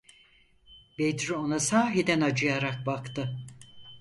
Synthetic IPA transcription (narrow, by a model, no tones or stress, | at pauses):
bed̪ɾyo̞nasaːɦid̪ænad͡ʒɯjaɾak̚bakt̪ɯ